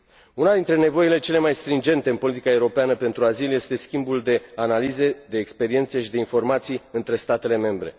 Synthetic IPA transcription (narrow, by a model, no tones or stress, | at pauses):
unad̪int̪ɾe̞ne̞vo̞ile̞t͡ʃe̞le̞majst̪ɾind͡ʒe̞nt̪e̞ɨnpo̞lit̪i̥kae̞uɾo̞peanəpe̞nt̪ɾuaziljest̪e̞skʲimbuld̪e̞analize̞d̪e̞ːkspe̞ɾie̞nt̪seʃid̪einfo̞rmat̪sijɨnt̪ɾe̞st̪at̪e̞le̞me̞mbɾe̞̰